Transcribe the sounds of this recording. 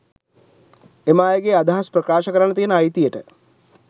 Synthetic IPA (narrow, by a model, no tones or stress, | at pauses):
emaːjəɡead̪aɦasprəkaːʃəkəɾanːət̪ijənəajt̪ijəʈə